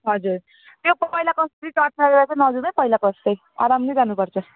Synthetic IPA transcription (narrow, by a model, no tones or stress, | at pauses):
ɦʌd͡zuɾ | t̪jopʌɦilakʌst̪ɾitaʈnaɾeɾat͡sʌnʌd͡zunʌjpʌɦjlakʌst̪ʌj | a̰ɾamnʌjd͡zanupʌrt͡sʰʌ